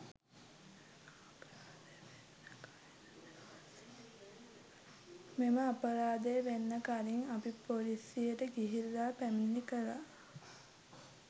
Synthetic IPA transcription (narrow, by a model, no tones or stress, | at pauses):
d̪ | meməapəɾaːd̪ejəʋenːəkaɾiŋapipolisijəʈəɡiɦilːaːpæminːikəɾa̰